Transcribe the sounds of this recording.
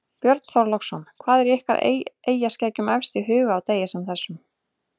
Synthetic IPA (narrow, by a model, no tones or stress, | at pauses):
pjœɾt̪n̥θɔɾlɔkxsɔnkʰvaːðɛɾjɛhka̰ɾ̰eːjascɛːjcʏmɛfst̪ɪɦʏːɣaːwt̪eːjɪsɛmθɛsːʏm